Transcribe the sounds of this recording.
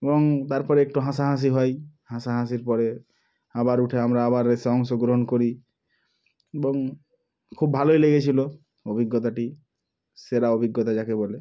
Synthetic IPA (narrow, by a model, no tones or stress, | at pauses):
ebɔŋt̪aɾpɔɾeekʈuɦãs̬aɦãs̬iɦɔjhãsaɦãs̬iɾpɔɾe | abaɾuʈʰeamɾaabaɾeseɔŋsoɡɾoɦɔnkoɾi | ebɔŋ | kʰubːʱalojleɡet͡ʃʰilo | obʱiɡːɔt̪aʈi | seɾaobʱiɡːɔt̪ad͡ʒakebɔle